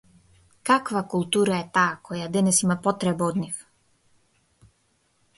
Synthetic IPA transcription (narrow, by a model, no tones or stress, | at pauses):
kakvakulˠt̪uɾaɛt̪aːkʰɔjad̪ɛnɛsimapɔt̪ɾɛbaɔd̪nif